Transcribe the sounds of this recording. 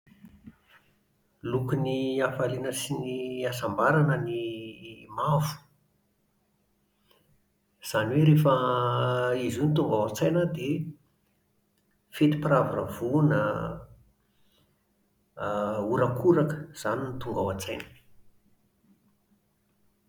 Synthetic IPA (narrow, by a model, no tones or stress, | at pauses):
lukuniafalinəsiniasambaɾanəni | mavu̥ | z̥aniweɾefə | izunit̪uŋɡawat͡sajnəd̪e | fet̪i̥pravuravunə̰ | uɾakʰuɾakə̥z̥aninit̪uŋɡawat͡sajnə̥